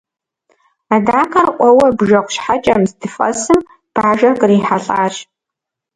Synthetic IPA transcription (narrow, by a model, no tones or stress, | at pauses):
adaːkʰɐrqʷʼɔwɐbʒɐqʷʃħat͡ʃʼɐmzdɨfʼɐ̰sɨm | b̥ʕaʒɐkʼriːħaɬʼaːʃ